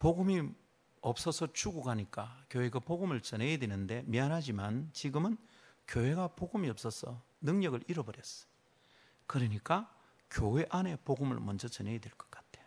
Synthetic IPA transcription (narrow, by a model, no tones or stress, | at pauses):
poɡɯmi | ʌp̚s͈ʌsʰʌt͡ɕuɡuɡaɲik͈akjoweɡapoɡɯmɯɭt͡ɕʌnejedwenɯnde̞mianɦad͡ʑimant͡ɕiɡɯmɯnkjowe̞ɡapoɡɯmiʌp̚s͈ʌsʰʌ̰ | nɯŋɲʌɡɯɭiɾʌbʌɾjʌs͈ʌ̥ | kɯɾʌɲik͈a | kjowe̞ʔane̞poɡɯmɯ̰ɭmʌnd͡ʑʌt͡ɕʌnejedweɭk͈ʌ̥k͈ḁt͈̚ʰe